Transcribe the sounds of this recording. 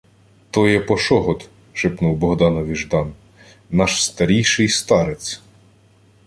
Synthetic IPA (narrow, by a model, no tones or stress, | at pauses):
t̪ɔjɛpɔʃɔɦɔt̪ | ʃɪpnuwbɔɦd̪ɑnɔʋʲiʒd̪ɑn | nɑʃst̪ɐɾʲijʃɪjst̪ɑɾet͡sʲ